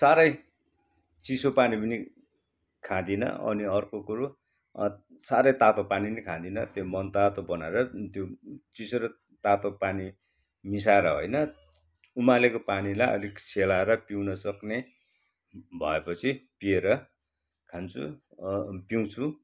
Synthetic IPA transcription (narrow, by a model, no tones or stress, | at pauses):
saɾʌj | t͡sisopanipʌni | kʰãd̪inʌ̰ʌ̰niʌrkokuɾo | saɾʌjt̪at̪opaninikʰãd̪inʌ̰t̪jomʌnt̪at̪obʌnaeɾʌt̪jot͡sisoɾʌ | t̪at̪opani | mis̬aeɾʌɦo̰jnʌ | umalekopanilajʌ̰lisʰelaeɾʌpiwnʌsʌkne | bʱʌ̰epʌt͡sʰipieɾʌ | kʰant͡sʰṵ | piw̃t͡sʰu